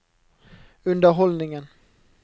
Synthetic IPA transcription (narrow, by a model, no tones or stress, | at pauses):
ɵnd̪əɾɦɔlnɪŋən